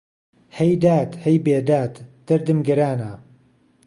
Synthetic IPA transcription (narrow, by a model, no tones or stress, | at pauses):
hɐjd̪aːt̪hɐjbeːd̪aːt̪d̪̥ɐɾd̪ɨmɡɐɾaːna